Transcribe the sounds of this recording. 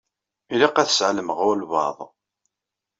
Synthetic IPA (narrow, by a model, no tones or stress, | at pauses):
iliqæθə̥sʕləməʁʊlvɑ̰ðˤ